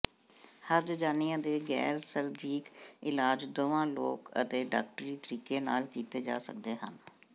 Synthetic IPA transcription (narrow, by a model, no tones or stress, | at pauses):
həɾd͡ʒəd͡ʒaːnɪjãːd̪eːɡɛ̰ːɾsəɾd͡ʒiːkɪlaːd͡ʒd̪oʋãːlo̰ːkə̰t̪eːɖa̰ːk̚ʈɾiːt̪əɾiːkeːna̰ːlkiːt̪eːd͡ʒa̰ːsə̰kd̪eːɦə̰n